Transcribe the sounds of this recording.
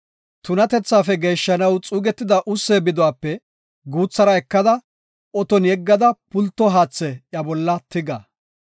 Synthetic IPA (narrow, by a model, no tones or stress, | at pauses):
t̪ʊnɐt̪ɛt͡sːaːfɛɡe̞ːʃːɐnɐwt͡sʼuːɡɛt̪ːɪd̪ɐʔʊsːeːbɪd̪ɔwaːpːɛ | ɡuːt͡sːɐɾɐɛkːɐd̪ɐ | ɔt̪ɔnjɛɡːɐd̪ɐpʊlt̪ːɔɦaːt͡sːɛjɐbɔlːɐt̪ɪɡɐ̰